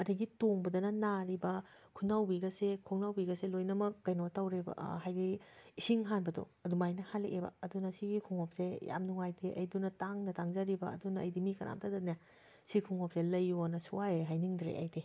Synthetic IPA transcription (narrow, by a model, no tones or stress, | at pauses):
ɐdɐɡitoŋbɐdɐnɐnaɾibɐ | kʰunawbiɡɐsekʰoŋnawbiɡɐselojnɐmɐkːɐjnotawɾebɐ̰ɦajɡiisiŋɦanbɐdo̰ɐdumajnɐhalḛʔebɐ̰ːdunɐsiɡikʰuŋop̚seja̰mnuŋajdeʔɐ̰jdunɐtaŋnɐtaŋzaɾibɐ̰ɐ̰dunɐ̰ːjdimikɐɾa̰m̚tʰadɐna | sikʰuŋop̚zelɐjːonɐsuwajeɦajniŋdɾḛʔɐ̰jde